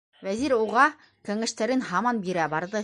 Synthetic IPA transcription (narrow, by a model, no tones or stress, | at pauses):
væziɾuʁɑ | kɘ̆ŋɘ̆ʃt̪æɾɘnhɑmɑnbiɾæbɑɾd̪ɤ